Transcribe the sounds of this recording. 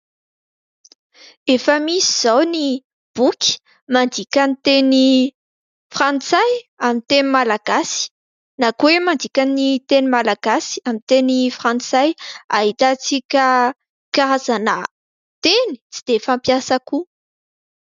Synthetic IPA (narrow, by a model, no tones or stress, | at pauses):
efəmisiz̥awni | b̥ukʲi̥ | mand̪ikʲanit̪eni | frant͡sajamint̪enimalaɡasi̥ | nakuwemand̪ikʲanit̪enimalaɡ̥asi̥amit̪enifrãnt͡sajaɦit̪at͡sikʲə | kaɾazanə | t̪eni̥t͡sid̪̥efampjasaku